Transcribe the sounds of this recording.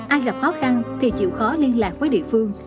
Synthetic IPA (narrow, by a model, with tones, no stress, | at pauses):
ʔaː˧jɣa˨˩p̚xɔ˨˦xa˧nt̪ʰi˨˩t͡ɕḭ˧˨wxɔ˨˦li˧ənlaː˨˩k̚vəː˨˦jɗḭ˧˨əfɨ˧əŋ